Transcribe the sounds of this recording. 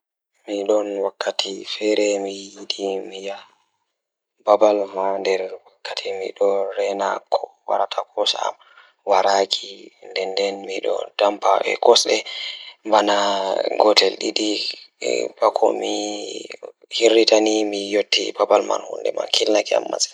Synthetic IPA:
miɗɔnwakːatʰifɛɾɛmijjiɗimija | babalmandɛɾwakːatʰimḭɗɔɾɛnakʰɔwa̰ɾatʰakʰɔsaa̰m | waɾakʰindɛndɛnmiɗɔ̰d̥ampʰaʔɛ̰kɔsɗɛmbanaɡɔtɛlɗiɗḭ | bakʰɔ̰mi | hiɾːitanimijotːḭbabalma̰nhṵndɛ̰ma̰nkʰilnakia̰mːa̰sɛ̥

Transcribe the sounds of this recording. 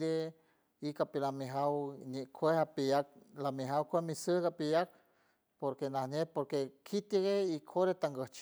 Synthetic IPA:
ɾe | ikapilamiɦawɲeʔkʰʷehapijak̚lamiɦawkʷemisəɡapijak̚ | poɾkenahɲepoɾkekʰit̪iɣeikʰoɾet̪aŋɡəht͡ʃ

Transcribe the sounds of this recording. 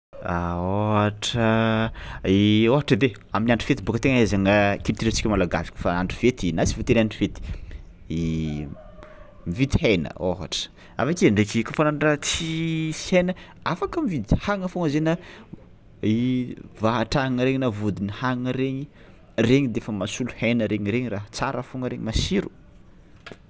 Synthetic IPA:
aoɦaʈ͡ʂə | ioɦaʈ͡ʂəd̪e | aminaɳɖ͡ʐi̥fet̪ibukət̪eŋaazaŋəkinit̪iɾat͡si̥kʲumalaɡa̰fi̥ku̥faaɳɖ͡ʐifet̪inat͡si̥fot̪eɾanɖ͡ʐifet̪i̥ | i | mivid̪i̥hejnə̰oɦa̰ʈ͡ʂə̥ | a̰fakiaɳɖ͡ʐekikafonanɖ͡ʐat͡sisenə | afakəmivid̪ihaŋəfoŋəzenə | ivaɦaʈ͡ʂaŋəɾeɲinavud̪inihaŋŋəɾeɲi | reɲid̪eefəmasuluhejnəɾeɲiɾeɲiraɦat͡saɾəfoŋəɾeɲimasiɾu̥

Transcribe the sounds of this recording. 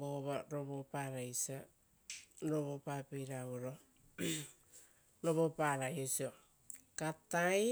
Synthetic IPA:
ɡoβaɾoβopaɾajsa | ɾoβopapejɾaβoɾo | ɾoβopaɾajosio | kataj

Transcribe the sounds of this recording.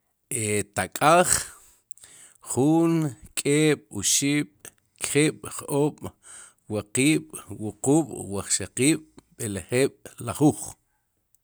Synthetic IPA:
et̪akʼaːχ | χuːŋkʼeːɓ̥uʃiːɓ̥ | kχiːɓ̥χoːɓ̥ | waqiːɓ̥wuquːɓ̥waχʃaqiːɓ̥ɓeleχeːɓ̥laχuχ

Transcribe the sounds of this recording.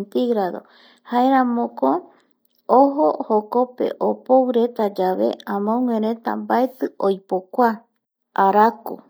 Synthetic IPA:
nt̪iɣɾaðo̞̰ | haeɾãmõko | oɦohoko̞pe̞̰ʔopowɾe̞t̪ad͡ʒaʋe̞̰ãmõŋẽɾ̃ẽ̞t̪a̰mbaet̪ɨojpokʷa | aɾako̰

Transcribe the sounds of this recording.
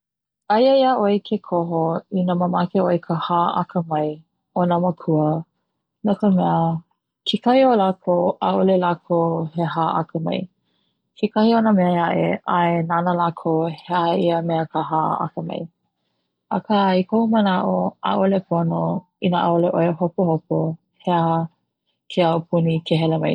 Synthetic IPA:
ɐjəiəʔojkʰekʰoɦoinəməmakeojkʰəhaːʔa̰kʰəmɐj | onəməkʰuə | nokəmɛə | kʰekɐhiolakʰoʔaʔolelakʰoheɦaːʔa̰kəmɐ̰j | kʰekɐhionəmeəaʔḛʔaenanəlakʰoheaiəmɛəkəɦa̰a̰kəmɐ̰j | ʔakaikʰoumənaʔoa̰ʔolepʰono | inəʔa̰oleʔoeɦopohopo | heaɦə | kʰeaopʰunikʰeɦɛlemɐj

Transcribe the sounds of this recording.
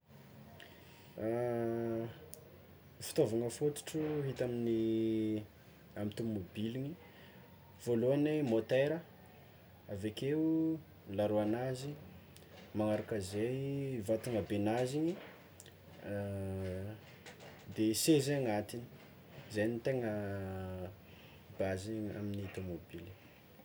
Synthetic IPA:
fi̥t̪ovaŋəfut̪u̥ʈ͡ʂuɦit̪amini | amit̪ummobiliɲi | v̥oluanemot̪eɾə | avekeu | laɾuanazi | maŋaɾakəzejvat̪uŋabenaziɲi | d̪esezaŋat̪ini̥ | zejnit̪eŋə | bazia̰miniit̪omobili

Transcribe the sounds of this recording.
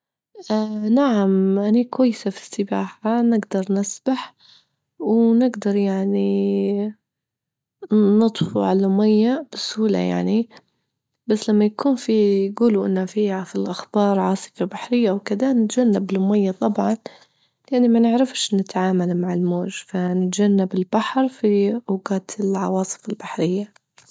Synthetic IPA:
ʔanaʕamʔanikwajːɪsafi̥sːɪbaːħanɪɡd̪ɑɾˤnɪsbaħ | wnɪɡd̪ɑɾˤjaʕni | nɨt̪ˤfuʕalaʊmajːab̥ɪshuːla̰ja̰ʕni | b̥asːlamːajakʰuːnfijɡuːluʔɪ̰nːafiːhafilʔaxb̥ɑːɾˤʕɑːsˤɨ̥fabaħɾɪjːaʔwkɪd̪anɪt̪d͡ʒanːabɪlʊmajːat̪ˤɑbʕɑn | lʔanːimanɪʕɾɪfʃnːɪt̪ʕaːmalmaʕɪlmoːʒfanɪt̪d͡ʒanːabɪlbaħɾfiʔʊɡaːt̪ʰɪlʕɑ̰wɑːsˤɨ̥fɪlbaħɾɪjːa

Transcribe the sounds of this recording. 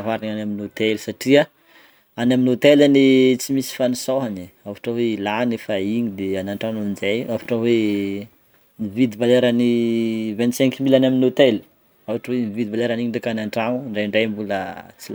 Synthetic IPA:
avaɾaɲanaminot̪elisaʈ͡ʂia | anaminot̪elanit͡simisi̥fanisoɦaniavaʈ͡ʂaweilanefaiɲid̪eanaɳʈ͡ʂanunizajafḁʈ͡ʂawe | mivid̪ibaleɾanivɛnt̪sɛŋkimilanaminot̪eli̥ | avaʈ͡ʂawemivid̪ibaleɾaniɲiɖ͡ʐakanaɳʈ͡ʂaŋuɳɖ͡ʐaɳɖ͡ʐajmbulət͡sil

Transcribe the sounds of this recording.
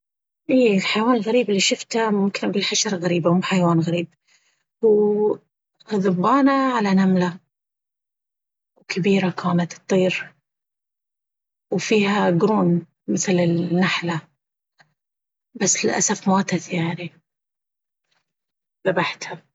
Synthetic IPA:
ʔiːɪlħajawaːnɪlɣaɾiːbɪlːiʃʊft̪amʊmkɪnbɪlħaʃɑɾˤɣaɾiːbamuħajawaːnɣaɾiːb̚ | huː | hðʊbːɑːnaʕalanamla | wkʰabiːɾakʰaːnat̪t̪ˤːiːɾ | wfiːhaɡɾuːn | mɪθlɪnːaħla | basːlɪlʔa̰safmaːt̪aθjaʕni | ðabaħt̪ha

